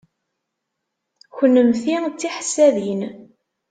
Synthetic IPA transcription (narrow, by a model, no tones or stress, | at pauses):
çənːəmθit͡sːiħsæðin